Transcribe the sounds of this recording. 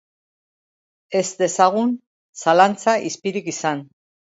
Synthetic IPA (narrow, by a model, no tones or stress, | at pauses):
e̞zd̪e̞saɣ̞un | salant͡saʔispiɾikisan